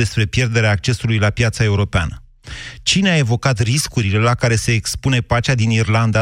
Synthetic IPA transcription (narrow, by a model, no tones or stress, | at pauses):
e̞spɾe̞pje̞rd̪e̞ɾeaːk̚t͡ʃe̞sulujlapjat̪sae̞uɾo̞pea̰nə | t͡ʃineae̞vo̞kat̪riskuɾile̞lakaɾe̞se̞ːkspune̞pat͡ʃead̪inirland̪a